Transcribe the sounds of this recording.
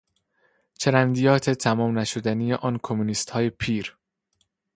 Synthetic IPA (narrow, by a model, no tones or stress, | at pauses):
t͡ʃʰe̞ɾænd̪ijɒːt̪ʰet̪ʰæmɒːmnæʃod̪ænijeʔɒːnkʰomuniːst̪hɒːje̞pʰiːɾ